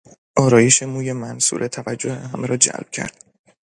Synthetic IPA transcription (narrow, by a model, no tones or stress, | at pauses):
ʔɒːɾɒːje̞ʃe̞muːje̞mænsṵːɾʔet̪ʰævæd͡ʒːohḛɦæmeɾɒːd͡ʒæ̰lb̥̚cʰæ̰ɾd̪̥